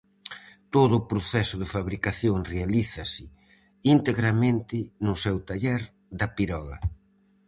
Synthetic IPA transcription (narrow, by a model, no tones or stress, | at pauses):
t̪oðʊːpɾoθɛsʊðɪfaβɾikaθjoŋrealiθɐsɪ | int̪eɣɾamẽnt̪ɪnʊsɛwt̪aʎɛɾ | d̪ɐpiɾɔɣɐ̰